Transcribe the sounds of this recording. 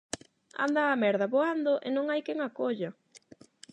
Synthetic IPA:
a̰nd̪aːmɛɾðɐβoand̪oʔenõŋajkɛŋakoʎɐ

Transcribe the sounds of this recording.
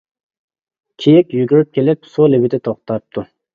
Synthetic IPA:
kʲʰijɪkʲjyɡʲyɾyp̚kʲʰelɪpsulɪbɪd̪ɪt̪ʰoχt̪ɑp̚t̪ʰu

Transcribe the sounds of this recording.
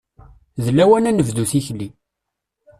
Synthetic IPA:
ðəlːæwænænəvd̪uθiçli

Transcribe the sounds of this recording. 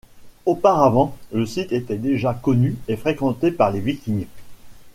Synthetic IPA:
opaʁavɑ̃ləsit̪et̪ɛd̪eʒakɔnyefχekɑ̃t̪epaʁlevikʲiɲ

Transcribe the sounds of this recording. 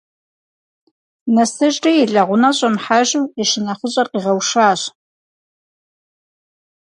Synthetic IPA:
nɐsɨʒʼʈ͡ʂʼijiɮɐʁʷʊnɐɕʼɐmħaʒuwiʃɪnɐχʊɕʼɐrqiːʁɐwʂaːɕ

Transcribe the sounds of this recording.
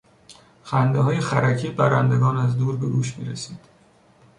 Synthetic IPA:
xænd̪eɦɒːjexæɾæcʰiːbæɾænd̪e̞ɡɒːnæzd̪uːɾbe̞ɡuːʃmiːɾesiːd̪̥

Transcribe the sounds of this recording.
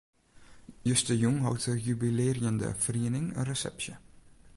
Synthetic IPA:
jøstəjuŋɦɔ̰wtəjybileːrjəndə̰friənɪŋə̰nrəsɛ̰psjə

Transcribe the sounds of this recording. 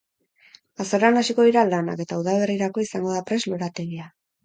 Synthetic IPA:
asoɾanasiko̞ðiɾalana̰ke̞t̪auðaβe̞riɾako̞isaŋɡo̞ðapɾe̞zlo̞ɾat̪e̞ɣia

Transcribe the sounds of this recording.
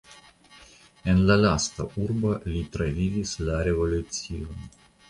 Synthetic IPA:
enlalast̪aʔuɾbalit̪ɾavivislaɾevo̞lut̪sion

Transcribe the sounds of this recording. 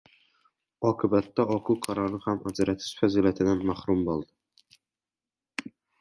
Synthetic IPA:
ɒqʰɨbat̪ːaɒqʰʊwqʰɑɾɒɾɪhamad͡ʒaɾat̪ʰɪ̥ʃfaziliat̪ʰɪd̪anmahɾʊmbolˠd̪ɪ

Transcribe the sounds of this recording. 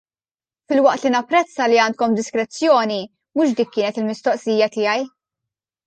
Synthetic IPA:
fɪlwɐʔt̪linɐpːɾɛt͡sːɐliɐːnt̪̚kɔmd̪ɪskɾɛt͡sːjɔːni | mʊʃd̪iːkːɪːnɛt̪ɪlmɪst̪ɔʔsiːjɐt̪ɪːjɐj

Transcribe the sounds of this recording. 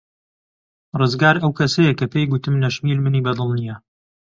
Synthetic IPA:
rɨzɡaːɾɐwkʰɐsɐjɐkɐpejɡʊt̪ɨmnɐʃmiːlmɨniːbɐd̪ɨlˠnijɐ

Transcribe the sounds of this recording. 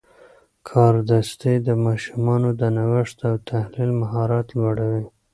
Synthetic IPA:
kʰɑɾd̪ast̪ed̪əmɑʃumɑnod̪ənawɪʂt̪awt̪ʰahlilmaɦɑɾɑt̪lwaɽawi

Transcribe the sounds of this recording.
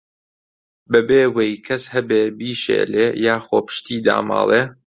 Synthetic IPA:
bɐbeːwejkʰɐshɐbeːbiːʃḛːleːjaːxoːpɨ̥ʃt̪iːd̪a̰ːmɑ̰ːlˠeː

